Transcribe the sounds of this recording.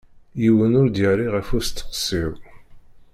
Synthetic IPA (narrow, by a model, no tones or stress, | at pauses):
jiwənʊɾd̪jəɾiʁæfust̪ːə̥qsiw